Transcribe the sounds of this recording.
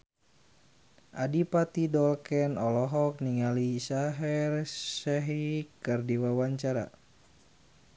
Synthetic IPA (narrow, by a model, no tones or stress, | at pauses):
ʔadipat̪idɔlkɛnɔlɔɦɔk̚niŋalisaɦɛrsɛɦikɨrdiwawaɲt͡ʃaɾa̰